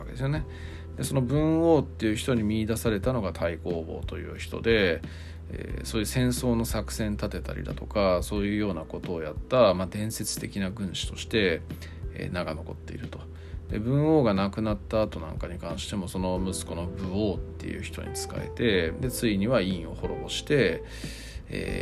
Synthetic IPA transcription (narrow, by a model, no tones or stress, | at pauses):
ked̪esɨjo̞ne̞ | d̪̥e̞so̞no̞bɯ̟̃ɰ̃o̞ːt̪ːe̞jɯ̟çi̥t̪oɲ̟imʲiːd̪asaɾe̞t̪ano̞ɡat̪ʰaiko̞ːbo̞̰ːt̪o̞jɯ̟ːçi̥t̪o̞̰d̪e̞ | ḛso̞ːjɯ̟sẽ̞ɰ̃so̞ːno̞sakɯ̟̥sẽ̞nt̪at̪e̞t̪a̰ɾʲḭd̪a̰t̪o̞kaso̞ːjɯ̟ːjo̞ːnako̞t̪o̞ːjat̪ːamad̪ẽ̞ɰ̃se̞t͡sɨ̥t̪e̞kʲinaɡɯ̟̃ɰ̃ɕi̥t̪o̞ɕi̥t̪e̞ | ḛːnaɡano̞ko̞t̪ːe̞ḭɾɯ̟t̪o̞̥ | d̪e̞̰bɯ̟̃ɰ̃o̞ːɡanakɯ̟nat̪ːaːt̪o̞nã̰ŋkaɲ̟ikãɰ̃ɕi̥t̪e̞mo̞so̞no̞mɯ̟sɨ̥ko̞no̞bɯ̟o̞ːt̪ːe̞̰jɯ̟̰ːçi̥t̪o̞̰ɲ̟ḭt͡sɨ̥ka̰ḛt̪e̞d̪e̞t͡sɨiɲ̟iβaĩɰ̃o̞̰ho̞ɾo̞bo̞ɕi̥t̪e̞ | ḛː